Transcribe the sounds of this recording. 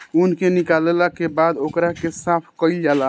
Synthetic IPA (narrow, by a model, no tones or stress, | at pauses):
unkenikalelakebad̪okɾakesapʰkəild͡ʒala